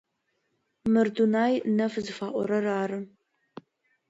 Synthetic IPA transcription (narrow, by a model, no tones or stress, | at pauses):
mɨrdunaːjnɐfzɨfaːʔʷɔ̰ɾɐraːrɨ